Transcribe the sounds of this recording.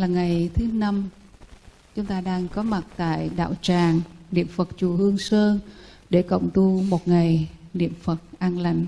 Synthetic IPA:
laː˨˩ŋa˨˩jt̪ʰɨ˨˦na˧m | t͡ɕʊ˨˦ŋ͡mt̪aː˧ɗaː˧ŋkɔ˨˦ma˨˩t̚t̪a̰ː˧˨jɗa̰ː˧˨wt͡ɕaː˨˩ŋnḭ˧˨əmfə˨˩t̚t͡ɕu˨˩hɨ˧əŋsəː˧ | ɗe˧˩kə̰˧˨wŋ͡mt̪u˧mo˨˩t̚ŋa˨˩jnḭ˧˨əmfə˨˩t̚ʔaː˧nla̰˧˩jŋ̟

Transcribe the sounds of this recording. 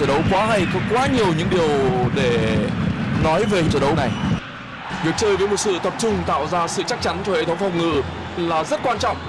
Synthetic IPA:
əː˧˩ɗə˨˦wkwaː˨˦ɦa˧jkɔ˨˦kwaː˨˦ɲi˨˩əwɲɨ̰˧˥ŋɗi˨˩əwɗe˧˩ | nɔ˨˦jve˨˩˨t͡ɕəː˨˩ɗə˨˦wna˨˩j | vi˨˩ək̚t͡ɕəː˧jvəː˨˦jmo˨˩t̚sɨ̰˧˨t̪ə˨˩p̚t͡ɕʊ˧ŋ͡mt̪a̰ː˧˨wzaː˧sɨ̰˧˨t͡ɕa˦˥k̚t͡ɕa˨˦nt͡ɕɔ˧hḛ˧˨t̪ʰə˨˦wŋ͡mfɔ˨˩wŋ͡mŋɨ̰˧˨ | laː˨˩zə˦˥t̚kwaː˧nt͡ɕɔ̰˧˨wŋ͡m

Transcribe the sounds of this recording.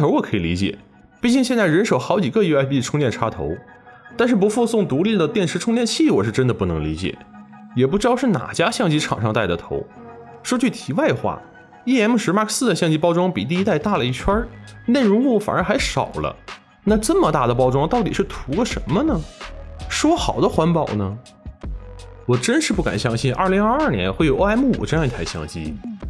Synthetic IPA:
t̪ʰo˧˥ʊwɔ˨˩kʰɤ˧˥ḭ˨˩lḭ˧˥t͡ɕjɛ̰˨˩˦ | pi˥˧˩t͡ɕi˥˧ŋɕjɛ˥˧nt͡sa˥˩ɪɻə˧˥nʂo˨˧˩ʊxɑ˧˥ʊt͡ɕi˨˩ɡə˥˧ju˥˧a˥pi˥˩ʈ͡ʂʰʊ˥ŋt͡ɕ̪jɛ˥˩nʈ͡ʂʰa˥t̪ʰo̰˧˥ʊ | t̪a˥˧nʂ̬ɻ̩˥˩p̬u˧˥fu˥˧sʊ˥˩ŋt̪u˧˥li˥˩d̪ə˩t̪jɛ˥˩nʂʰɻ̩˧˥ʈ͡ʂʰʊ˥ŋt̪jɛ˥˧nt͡ɕʰi˥˩wɔ˨˩ʂɻ̩˥˧ʈ͡ʂə˥nd̪ə˨pu˥˩nɤ˧˥ŋli˧˥t͡ɕjɛ̰˨˩˦ | jɛ˨˩p̬u˥˩ʈ͡ʂɻ̩˥t̪ɑ˥˧ʊʂɻ̩˥˩na̰˨˩t͡ɕja˥ɕjɑ˥˩ŋt͡ɕi˥ʈ͡ʂʰɑ̰˨˩ŋʂɑ˥˧ŋt̪a˥˩ɪd̪ə˩t̪ʰo˧˥ʊ | ʂwɔ˥t͡ɕʰy˥˩t̪ʰi˧˥wa˥˩ɪd̪ə˩xwa̰˥˩ | i˥˩ɛ˥nm˥˩ʂɻ̩˧˥ma˥˩kʰsɹ̩˥d̪ə˩ɕjɑ˥˧ŋt͡ɕi˥pɑ˥ʊʈ͡ʂwɑ˥ŋpi˨˩t̪̬i˥˧i˥t̪a˥˧ɪt̪a˥˩lə˩i˥˩t͡ɕʰwɐ˥ne˥˩ɪɻʊ˧˥ŋwwɔ˧˩fa̰˨˩nə˞˧˥xa˧˥ɪʂɑ˨˩ʊlə̰˦ | na˥˧ʈ͡ʂə˥˩mə˩t̪a˥˩d̪ə˩p̬ɑ˥ʊʈ͡ʂwɑ˥ŋt̪ɑ˥˩ʊt̪ḭ˨˩ʂɻ̩˥˩t̪ʰu˧˥lə˧ʂə˧˥nmə˧nə˨ | ʂwɔ˥xɑ˨˩ʊd̪ə˦xwa˧˥npɑ˨˩ʊnə˩ | wɔ˨˩ʈ͡ʂə˥nʂɻ̩˥˧pu˥˩ka̰˨˩nɕjɑ˥ŋɕi˥˩nʔɐ˞˥˩li˧˥ŋɐ˞˥˧ɐ˞˥˩njɛ̰˧˥nxwe˥˩ɪjo˨˩ʊ˥a˥m˥˩ṵ˨˩ʈ͡ʂɤ˥˧jɑ˧ŋi˧t̪ʰa˥˩ɪɕjɑ̰˥˩ŋt͡ɕḭ˥

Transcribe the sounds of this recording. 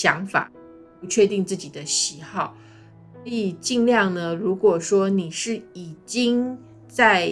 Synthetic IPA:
jɑ˧˥ŋfa̰˨˩ | pu˧˥t͡ɕʰɥɛ˥˧t̪i˥˧ŋt͡sɹ̩˥˩t͡ɕi˨˩d̪ə˦ɕi˧˥xɑ˥˩ʊ | sɔ˧˥i˨˩t͡ɕi˥˧ŋljɑ˥˩ŋnə˨ɻu˧˥kwɔ˨˩ʂwɔ˥ni˨˩ʂɻ̩˥˩i˨˩t͡ɕi˥ŋ | t͡sa˥˧ɪ

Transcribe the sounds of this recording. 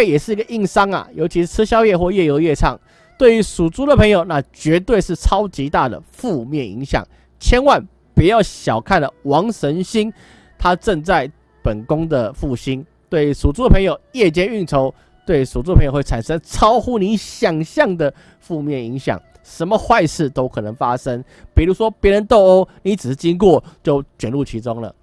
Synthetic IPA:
jɛ˨˩ʂɻ̩˥˨i˧˥ɡə˨ʔi˥˩ŋsɑ˥ŋa̰˨˩jʔo˧ʊt͡ɕʰi˧˥ʂ̩˥˧˩t͡s̩ʰ˥ɕjɑ˥ʊjɛ˥˧xwɔ˥˧jɛ˥˩jo˧˥ʊjɛ˥˧ʈ͡ʂʰɑ˥˩ŋ | t̪we˥˩ɪy˧˥su˨˩t͡su˥d̪ə˨pʰə˧˦ŋjo˨˩ʊna˥˨t͡ɕɥɛ˧˥t̪we˥˧ɪʂɻ̩˥˩t͡sʰɑ˥ʊt͡ɕi˧˥t̪a˥˩d̪ə̰˩fu˥˧mjɛ˥˩nḭ˧˥ŋɕjɑ̰˨˩˦ŋ | t͡ɕʰjɛ˥nwa˥˩n | pu˨˩jɑ˥˩ʊɕjɑ˨˩ʊkʰa˥˩nlə˩wɑ˧˥ŋʂə˧˥nɕi˥n | t̪ʰa˥˦ʈ͡ʂə˥˧ŋt͡sa˥˩ɪ | pə˨˩nkʊ˥ŋd̪ə˨fu˥˩ɕi˦˥n | t̪we˥˩ɪʂu˨˩t͡su˥˧ə˩pʰə˧˥ŋjo˨˩ʊjɛ˥˩t͡ɕjɛ˥ny˥˩nt̪ʰo˧˥ʊ | t̪we˥˩ɪsu˨˩t͡su˥˧pʰə˧˦ŋjwe˥˩ɪt͡sʰa˨˩nʂə˦˥ŋt͡sʰɑ˦˥ʊxu˥ni˧˥ɕjɑ˨˩ŋɕjɑ˥˩ŋd̪ə˨ | fu˥˧mjɛ˥˩ni˧˥ŋɕjɑ̰˨˩ŋ | ʂə˧˦˥nmə˧xwa˥˧ɪʂɻ̩˥˩t̪o˥ʊkʰɤ˨˩nə˧˥ŋfa˦ʂə˦ŋ | pi˨˩ɾu˧˥swɔ˥pjɛ˧˥ɻə˧˦nt̪o˥˧ʊo˥ʊni˧˦t͡s̩˨˩ʂ̩˥˩t͡ɕi˦˥ŋkwɔ˥˨t͡ɕjo˥˩ʊt͡ɕɥɛ˨˩nlu˥˩t͡ɕʰi˧˥t͡so˥ŋlə̰˩

